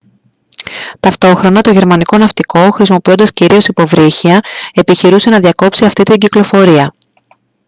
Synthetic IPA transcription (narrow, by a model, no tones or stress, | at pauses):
t̪ɐft̪o̞xɾo̞nɐt̪o̞ʝe̞ɾmɐniko̞nɐft̪iko̞xɾis̬imo̞pio̞nd̪ɐsciɾio̞sipo̞vɾiçiɐe̞piçiɾuse̞nɐðiɐko̞psiɐft̪it̪iɲɟiklo̞fo̞ɾiɐ